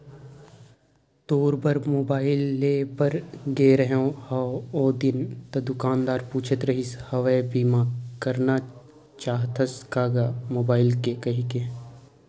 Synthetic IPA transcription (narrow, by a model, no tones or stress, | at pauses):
t̪oːɾbəɾmoːbaːɪlːeːpəɾɡeːɾəɦõhɐoːd̪ɪnt̪ɐd̪ʊkaːnd̪aːɾpuːt͡ʃʰət̪ɾɐɦishɐʋebiːmakəɾna | t͡ʃaːɦt̪ʰəskaːɡamoːbaːɪlkekɐɦike